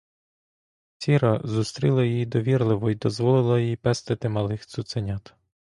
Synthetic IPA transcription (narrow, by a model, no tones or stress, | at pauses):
t͡sʲiɾɐzust̪ɾʲilˠɐjijid̪ɔʋʲirlˠɪʋɔid̪ɔzʋɔlˠɪlˠɐjjipɛst̪ɪt̪ɪmɐlˠɪxt̪sʊt̪senʲat̪